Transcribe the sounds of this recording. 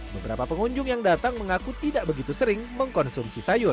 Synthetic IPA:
bəbəɾapapəŋuɲd͡ʒʊŋjaŋdat̪aŋməŋakut̪idaʔbəɡit̪usəɾɪŋməŋkɔnsumsisajʊr

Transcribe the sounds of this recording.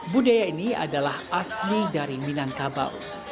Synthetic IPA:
budajainia̰dalahaslidaɾiminaŋkaba̰w

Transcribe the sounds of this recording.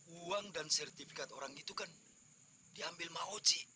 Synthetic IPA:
uaŋdansɛrt̪ifikat̪oɾaŋit̪ukan | diambɪlmaot͡ʃiʔ

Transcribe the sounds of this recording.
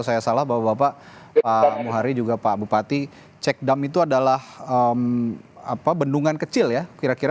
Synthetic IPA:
sajasalahbapabapapamuɦaɾid͡ʒuɡapabupat̪i | t͡ʃɛk̚damit̪uadalahəma̰pabənduŋankət͡ʃɪljakiɾakiɾa

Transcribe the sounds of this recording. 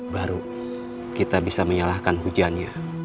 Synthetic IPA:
baɾu | kit̪abisaməɲalahkanɦud͡ʒianɲa

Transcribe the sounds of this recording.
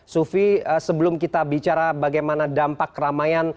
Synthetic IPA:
sufiəsəbəlʊmkit̪abit͡ʃaɾabaɡajmanadampakːəɾamajan

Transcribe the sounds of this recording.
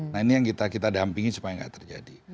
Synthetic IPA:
nainijaŋkit̪akit̪adampiŋit͡ʃu̥pajaŋɡa̰ʔt̪ərd͡ʒa̰di

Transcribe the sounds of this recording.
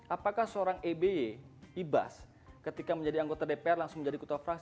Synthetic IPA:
apakahsəoɾaŋebeeiba̰s | kət̪ikaməɲd͡ʒadiaŋɡot̪adepeɛrlaŋsʊŋməɲd͡ʒadiku̥t̪afɾaks

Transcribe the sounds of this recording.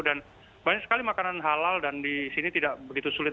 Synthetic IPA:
dan | baɲak̚sə̥kalimakananɦalaldandisinit̪idaʔbəɡit̪usulɪt̪̚

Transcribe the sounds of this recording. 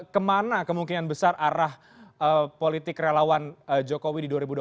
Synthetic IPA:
kəmanakəmuŋkinanbəsarʔaɾah | əpolit̪ɪkrelawanəd͡ʒokowididuaɾibudu

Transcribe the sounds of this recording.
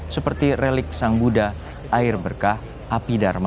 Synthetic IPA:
səpərt̪irɛlɪk̚saŋbuda | aɪrbərkah | ʔapidarm

